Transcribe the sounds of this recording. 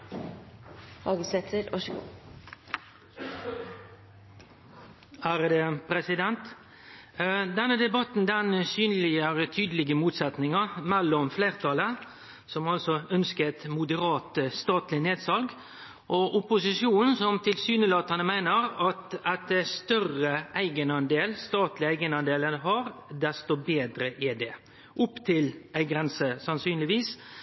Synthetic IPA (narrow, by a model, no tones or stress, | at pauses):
hɑːɡəsɛt̪ʰəɾɔʃɡṵ | æɾd̪ɛpʰɾɛsɪd̪ɛnt̪ | d̪ɛnːəd̪ɛbɑt̪n̩d̪ɛnsyːnlɪəɾət̪ʰyːd̪əlɪɡəmuːt̪sɛt̪nɪŋəmɛlːɔmfleːʁt̪ʰɑlə | sɔmɑlsɔœnskəɛt̪mʊd̪əɾɑːt̪st̪ɑːt̪lɪneːd̪sɑlɡ | ʔɔʔʊpʊsɪʂjuːnn̩sɔmt̪ʰɪlsyːnəlɑːt̪ɑnəmæɪnəɾɑt̪ɛt̪̚d̪ɛst̪œrʁəʔæɪɡənɑnd̪eːlst̪ɑːt̪lɪæɪɡənɑnd̪eːlənhɑɾd̪ɛst̪obeːd̪ɾəʔɪd̪ɛ | ʔʊpt̪ʰɪlæɪɡɾɛnsəsɑnsyːnlɪʋiːs